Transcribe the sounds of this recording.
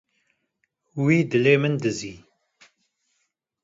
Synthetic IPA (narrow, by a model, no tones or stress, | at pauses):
wiːd̪ɨleːmɨnd̪ɨziː